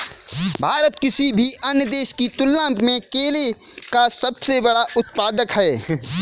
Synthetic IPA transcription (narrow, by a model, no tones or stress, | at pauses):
bʱaːɾət̪kɪsibʱiʔɐnjəd̪eːʃkit̪ʊlːãːmpmẽkeːle | kasɐbsebɐɽaʔʊt̪̚paːd̪əkɦɛː